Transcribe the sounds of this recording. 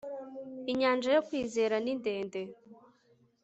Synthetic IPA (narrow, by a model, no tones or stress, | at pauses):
iɲaːnd͡ʒajo̞kwiːze̞ːɾaninde̞ːnde